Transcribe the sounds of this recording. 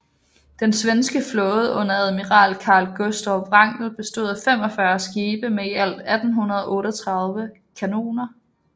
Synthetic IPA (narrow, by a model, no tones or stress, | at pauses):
d̥ensʋensɡ̥əflɔ̽ːð̩ˠɔ̽n̰ɐæðˠmiʁɑ̰̈ːlkʰɑ̈ːlɡ̥osd̥ɒʋʁɑ̈ŋ̰̥l̩b̥e̝sd̥o̝ð̞̰ˠæfem̰ɒ̽fɶɐsɡ̥iːb̥əmeiæl̰d̥æd̥n̩hunɐð̞ˠɒʔɔ̽ːɾɒt͡sʰʁɑ̈ð̞ˠʋə | kʰæno̝̰ːnɐ